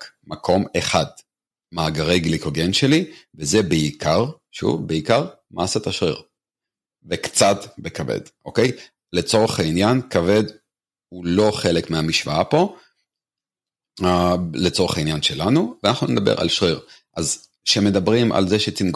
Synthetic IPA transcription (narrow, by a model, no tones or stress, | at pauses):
makʰo̞meχad̪ | maːɡaʁejɡlikoɡenʃelivezebeikʰaʁ | ʃṵvbeikaʁ | maːsat̪aʃʁḭʁ | vekt͡sat̪bekavḛd̥̪ʔo̞ke̞j | le̞t͡so̞ʁeχainjankave̞d̪ | ulo̞χe̞lekmeamiʃvaapo̞ | let͡so̞ʁeχainjanʃe̞lanuveanaχnuned̪abḛʁa̰lʃʁiʁʔaz | ʃeme̞d̪abʁimʔa̰lzeʃet͡simɡ